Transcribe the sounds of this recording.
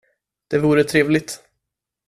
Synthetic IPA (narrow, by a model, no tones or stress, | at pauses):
d̪̥ɛvuːɾət̪ʰɾeːvlɪt̪